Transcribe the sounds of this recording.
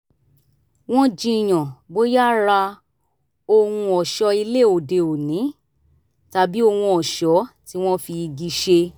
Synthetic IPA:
w̃ɔ̃˦d͡ʒĩ˧i˨j̃ɔ̃˨bo˨˦ja˦˨ɾa˧ | o˧hũ˧ɔ˨ʃɔ˧i˧le˦˨o˨de˨o˨nĩ˨˦ | ta˧bi˦o˧wũ˧ɔ˨ʃɔ˨˦ti˧˦w̃ɔ̃˦fi˧ɡi˧ʃe˧

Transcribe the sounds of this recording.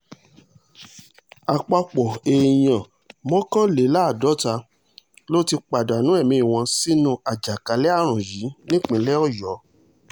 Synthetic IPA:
a˨k͡pa˧k͡pɔ˨e˨j̃ã˨ | mɔ̃˦kã˦le˨˦la˦˨dɔ˨˦ta˧ | lo˦ti˧k͡pa˨da˨nũ˨˦ɛ˦˨mĩ˧˦i˨w̃ɔ̃˧si˦nũ˦a˨d͡ʒa˨ka˨˦lɛ˦a˦˨ɾ̃ũ˨ji˨˦nĩ˦k͡pĩ˨˧˦lɛ˦ɔ˦˨jɔ˨˦

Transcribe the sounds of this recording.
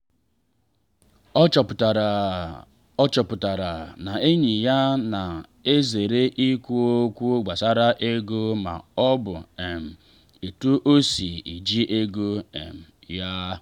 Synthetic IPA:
ɔ˦t͡ʃɔ˨pʊ˨ta˨ɾa˨na˨e˦ɲi˨ja˦na˨ | e˦ze˨ɾe˦ʔi˦kʷu˦o˦kʷu˦ɡ͡ba˨sa˦ɾa˦ʔe˦ɡu˦ma̰˨ɔ˦bʊ˨e˨m̩˨ | e˨tu˦ʔo˦si˨i˨d͡ʒi˦ʔe˦ɡu˦ḛ˨m̩˨ja˦

